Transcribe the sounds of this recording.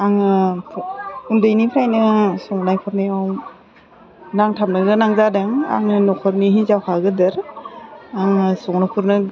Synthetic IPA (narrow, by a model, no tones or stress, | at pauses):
aŋɯ | undɯjnipʰɾajnɯsɔŋnajpʰɔɾnijaw | naŋtʰamnɯɡɯnaŋzadaŋa̰ŋɯnɔkʰɔɾniɦizawkʰaɡɯdɯɾ | aŋɯsɔŋnakʰuɾnɯ